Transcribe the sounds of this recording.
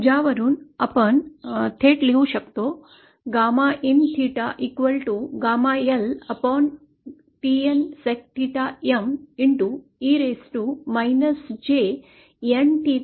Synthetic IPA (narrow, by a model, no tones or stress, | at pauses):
d͡ʒaːʋɐɾunɐpɐnt̪ʰeːʈliʋuʃɐkt̪oː | ɡaːmaːʔint̪ʰiːʈaʔikʋɐlʈuɡaːmaːelɐpɔːn | ʈiːensek̚ʈ̪ʰiːʈaemiɳʈu | iːɾeːsʈumɐjnɐsd͡ʒeː | enʈiː